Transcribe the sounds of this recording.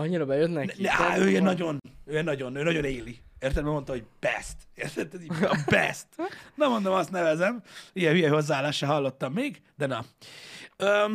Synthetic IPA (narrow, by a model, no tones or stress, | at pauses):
ɒɲːiɾɒbɛjøt̪nɛd̪ɛa̰øːinɒɟo̞nøːɛnɒɟo̞nøːnɒɟo̞neːlieːrt̪ɛlmɛmo̞nt̪ɒɦo̞ɟb̥ɛ̰st̪eːrt̪ɛt̪ːɛibɛ̰st̪nɛmo̞nd̪omɒst̪nɛvɛzɛmijɛhyjɛiho̞zːaaːlːaːʃaɦɒlːo̞t̪ːɒmːeːɡ | d̪ɛnɒ | ø